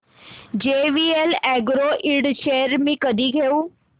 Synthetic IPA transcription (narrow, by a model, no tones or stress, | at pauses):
d͡ʒeːʋiːelɛːɡɾoʔiɽt͡ʃeːəɾmĩkəd̪ʱiɡʱeuː